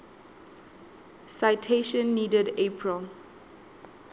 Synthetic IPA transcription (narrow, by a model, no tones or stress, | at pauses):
saɪtʰeʃə̃nːiːdədepʰɹəl